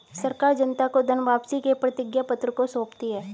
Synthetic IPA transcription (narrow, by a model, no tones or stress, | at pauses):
sɐɾkaːɾd͡ʒɐnt̪akod̪ʱənʋaːpsikepɾɐt̪ɪɡjapɐt̪ɾəkosoːpt̪iɦɛː